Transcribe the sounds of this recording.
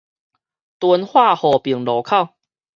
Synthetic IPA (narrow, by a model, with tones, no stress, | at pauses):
t̪wə˧˦nhwa˥˧hɔ˨˩pi˨˩ŋlɔ˨˩kʰa˥˨w